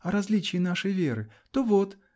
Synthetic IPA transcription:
ɐɾɐzʲlʲit͡ɕɪjːnaʂəjvʲe̞ɾɨ | t̪ovot̪

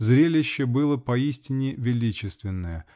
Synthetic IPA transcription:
zɾʲelʲɪɕːəbɨlˠəpɐisʲtʲɪnʲɪvʲɪlʲit͡ɕɪst̪vʲɪnːəjə

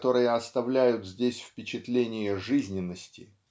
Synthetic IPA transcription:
t̪o̞ɾɨjəɐst̪ɐvlʲæjʊt̪zʲdʲesʲfpʲɪt͡ɕɪt̪lʲenʲɪjəʐɨzʲnʲɪnːəsʲtʲɪ

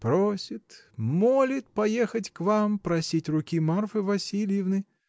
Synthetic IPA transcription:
pɾosʲɪt̪ | molʲɪt̪̚pɐjexətʲkvampɾɐsʲitʲrʊkʲimarfɨvɐsʲilʲjɪvnɨ

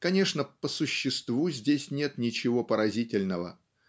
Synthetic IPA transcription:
kɐnʲe̞ʂnəpəsʊɕːɪst̪vuzʲdʲesʲnʲe̞t̪nʲɪt͡ɕɪvo̞pəɾɐzʲitʲɪlʲnəvə̰

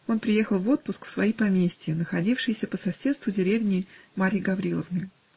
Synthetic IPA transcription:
o̞npɾʲɪje̞xəlˠvo̞t̪̚pʊskfsvɐipɐmʲesʲtʲɪjənəxɐdʲifʂɨjɪsʲəpəsɐsʲe̞t̪st̪vʊdʲɪɾʲevnʲɪmaɾʲɪɡɐvɾʲilˠəvnɨj

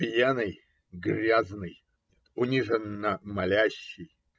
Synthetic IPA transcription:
pʲjanɨj | ɡɾʲaznɨj | nʲet̪ʊnʲiʐənːəmɐlʲæɕːɪj

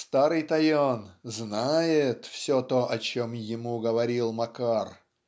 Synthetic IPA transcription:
st̪aɾɨjt̪ɐjonznajɪt̪fsʲot̪oʔɐt͡ɕomjɪmuɡəvɐɾʲilˠmɐkar

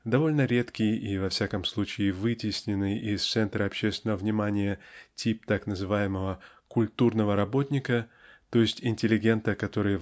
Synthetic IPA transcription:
d̪ɐvo̞lʲnəɾʲe̞t̪kʲɪjivɐfsʲakəmslˠut͡ɕɪɪvɨtʲɪsʲnʲɪnːɨjɪst̪sɛnt̪ɾəɐpɕːest̪ʲvɪnəvəvnʲɪmanʲɪjətʲip̚t̪aknəzɨvajɪməvə | kʊlʲt̪urnəvəɾɐbo̞t̪ʲnʲɪkət̪o̞jɪsʲtʲɪnʲtʲɪlʲɪɡʲe̞nt̪əkɐt̪o̞ɾɨjə

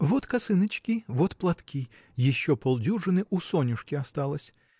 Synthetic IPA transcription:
ʋɔt̪kɐsɪnɪt͡ʃkʲiʋɔt̪plˠɐt̪kʰʲi | jiʃt͡ʃːɔpɔlˠd̪ʲuʐɪnɪʔusɔnʲuʂkʲiɐst̪ɑlˠɐsʲ

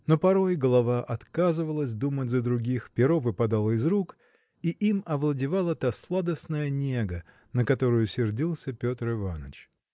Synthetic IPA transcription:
no̞pɐɾo̞jɡəlˠɐvaʔɐt̪kazɨvəlˠəsʲd̪umətʲzəd̪ɾʊɡʲixpʲɪɾovɨpɐd̪alˠəɪzɾuk | iʔimɐvlˠədʲɪvalˠət̪aslˠad̪əsnəjənʲeɡə | nəkɐt̪o̞ɾʊjʊsʲɪrdʲilˠsʲəpʲo̞t̪rɪvanə̰t͡ɕ

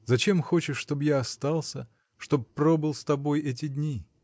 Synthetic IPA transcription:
zɐt͡ɕe̞mxo̞t͡ɕɪʂːt̪o̞bjaɐst̪alˠsʲə | ʂt̪o̞bpɾo̞bɨlˠst̪ɐbo̞jɛt̬ʲɪd̪ʲnʲi

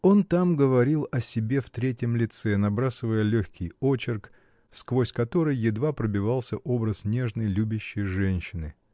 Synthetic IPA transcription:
o̞nt̪amɡəvɐɾʲilˠɐsʲɪbʲe̞ft̪ɾʲetʲjɪmlʲɪt̪sɛnɐbɾasɨvəjəlʲoxʲkʲɪjo̞t͡ɕɪrk | skvosʲkɐt̪o̞ɾɨjːɪd̪vapɾəbʲɪvalˠsʲəʔo̞bɾəsnʲe̞ʐnəjlʲubʲɪɕːɪjʐɛnʲɕːɪnɨ

